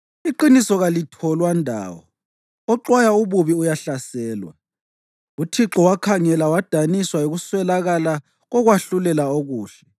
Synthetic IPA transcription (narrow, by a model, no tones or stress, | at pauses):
iǃinisɔɣalitʰɔlwandʱa̰ːwɔ̰ | ɔǁwajauβuβiujaɬasɛːlwa̰ | utʰiǁɔwakʰaŋɛlawad̥ʱaniswaoɣuswɛlaɣala | ɣɔɣwaɬulɛlaoɣuːɬɛ